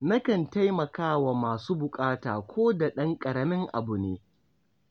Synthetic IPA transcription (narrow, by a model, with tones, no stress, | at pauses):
na˦kɐ˨nta˦jmɐ˨kaː˦wa˨maː˨suː˦bʊ˨kʼaː˦ta̰ː˨kʷoː˦da˨ɗɐ˦ŋkʼɐ˨ɾɐ˨mɪ˦ŋʔa̰˨bʊ˨nḛː˦